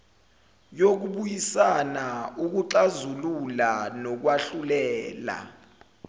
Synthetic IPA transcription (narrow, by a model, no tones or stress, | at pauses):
jok̬uɓujisanauk̬uǁazululanɔk̬waɬulɛːla̰